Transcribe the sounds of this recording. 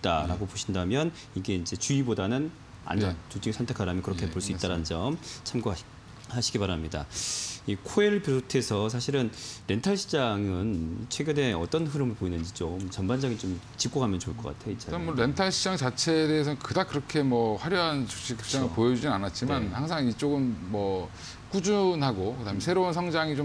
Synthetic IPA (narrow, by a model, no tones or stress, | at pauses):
t̚t͈aɾa̰ɡopoɕʰindamjʌn | iɡe̞ind͡ʑe̞t͡ɕuibodanɯn | a̰nd͡ʑʌnt͡ɕut͡ɕ͈ʰiŋsʰʌntʰekʰaɾamjʌkɯɾʌkʰepoɭs͈uit͈aɾanɯnd͡ʑʌmt͡ɕʰamɡo | haɕʰiɡipaɾamɲida̰ikʰoeɭpootʰe̞sʰʌs̬ʰaɕʰiɾɯnɾe̞ntʰaɭɕʰid͡ʑaŋɯnt͡ɕʰwe̞ɡjune̞ʌt͈ʌnɦɯɾɯmɯɭpoinɯnd͡ʑit͡ɕomt͡ɕʌnband͡ʑaŋit͡ɕomt͡ɕik͈oɡamjʌnt͡ɕoɭk͈ʌk͈a̰tʰejʌit͡ɕ͈ʰamwoɾe̞ntʰaɭɕʰid͡ʑaŋt͡ɕat͡ɕʰe̞ːde̞es̬ʰʌkɯdakɯɾʌkʰe̞mwʌɸwaɾjʌɦant͡ɕo̥ɕ͈ʰik͈ʰe̥t͡ɕ͈aŋɯɭpojʌd͡ʑud͡ʑinanat̚t͡ɕ͈imanhaŋs̬ʰaŋit͡ɕ͈oɡɯnmʌ | k͈ud͡ʑunɦaɡokɯdamensʰe̞ɾounsʰʌŋd͡ʑaŋit͡ɕo